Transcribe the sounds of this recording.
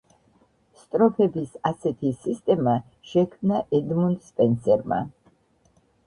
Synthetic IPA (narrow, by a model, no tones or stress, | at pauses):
st̪ʼɾɔpʰɛbisasɛt̪ʰisist̪ʼɛma | ʃɛkʰmnaʔɛd̪mund̪spʼɛnsɛɾma̰